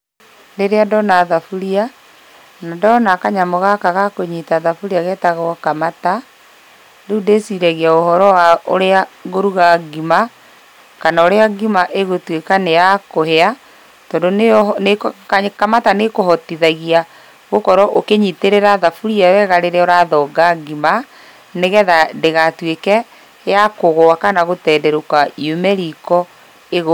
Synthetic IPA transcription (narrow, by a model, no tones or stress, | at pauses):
ɾeɾeadɔnaðafuɾia | nadɔnakaɲamoɣakaɣakoɲitaðafuɾiaɣɛtaɣɔkamata | deudesiɾɛɣiaohɔɾɔwaoɾeaɣoɾuɣaɡima | kanaoɾeaɡimaʔeɣotwekanejakohɛa | tɔːndonenekkakamatanekohɔtiðaɣia | ɣokɔɾɔʔokeɲiteɾeɾaðafuɾiaɾɛɣaɾeɾɛoɾaðɔɡaɡima | neɣɛðadeɣatwekɛ | jakoɣoakanaɣotɛdɛɾokaiomɛɾikɔ | eɣo